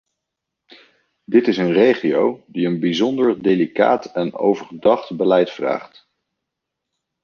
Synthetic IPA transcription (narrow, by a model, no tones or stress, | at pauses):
dɪtɪsənrejχiowdiənbizɔndəɹdelika̰ːtɛno̰wvəɹχədɑχtbəlɛjtfra̰ːχt